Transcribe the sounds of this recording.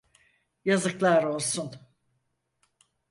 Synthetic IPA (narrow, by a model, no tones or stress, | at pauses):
jazɯklˠaɾo̞lˠsun